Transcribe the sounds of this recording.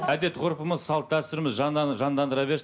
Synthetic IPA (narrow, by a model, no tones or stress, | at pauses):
æd̪e̞t̪qʰoɾpəməzsɑlˠət̪̚d̪æpst̪ʏɾɪmɪzʒɑnʒɑnd̪ɑnd̪əɾɑbe̞ɾs